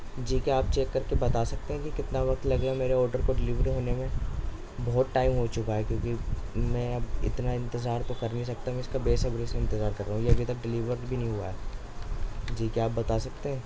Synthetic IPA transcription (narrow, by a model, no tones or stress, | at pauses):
d͡ʒiːkiaːp̚t͡ʃeːkːɐɾkebɐt̪aːsɐk̚t̪eɦɛ̃kikɪt̪naʋɐkt̪lɐɡɾmeːɾeɔːɾɖəɾkoɖɪliʋɾiɦoːnemẽ | bɔɦːt̪̚ʈaːɪmɦot͡ʃʊkaɦɛkjõːkimɛ̃ːɐbɪ̰t̪naɪ̃nt̪ɪzaːɾt̪okɐɾnɐɦĩs̬ɐk̚t̪aɦũɛ̃ɪskabeːsɐbɾesẽɪ̃nt̪ɪzaːɾkɐɾːaːɦũjeɐbʱit̪ɐk̚ɖɪliːʋəɾbʱinɐɦĩɦua̰ɦɛː | d͡ʒiːkiaːp̚bɐt̪asɐk̚t̪eɦɛ̃ː